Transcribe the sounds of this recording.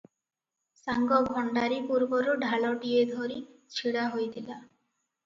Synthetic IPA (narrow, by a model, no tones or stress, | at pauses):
saŋɡɔbʱɔɳɖaɾipuɾbɔɾuɖʱaɭɔʈied̪ʱoɾi | t͡ʃʰiɽaɦojt̪ʰila